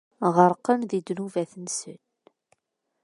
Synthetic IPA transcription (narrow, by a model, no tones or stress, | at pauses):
ʁəɾˤqːənðid̪nuvæθənsən